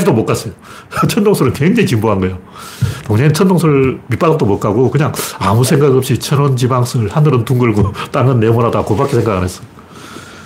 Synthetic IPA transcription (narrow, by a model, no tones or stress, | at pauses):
d͡ʑidomok͈as͈ʌjo | t͡ɕʰʌndoŋsʰoɾɯnkeŋd͡ʑeŋikimboɦanɡʌejo | toŋɲet͡ɕʰʌndoŋsʰoɾmip͈adʌk̚t͈omok͈aɡokɯɲaŋamusʰeŋɡaɡʌpɕ͈it͡ɕʰʌnond͡ʑibaŋs͈ʰɯɭhanɯɾɯntuŋɡɯɭɡot͈aŋɯnːemoɾɦadakobak͈esʰe̞ŋɡaɡɯnɦes͈ʌ̥jo